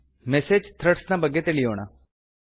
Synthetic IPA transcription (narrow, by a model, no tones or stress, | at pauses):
mɛːsed͡ʒt̪ʰɾəʈsnãbəɡet̪eːliɦo̰ːɽ̃a̰ː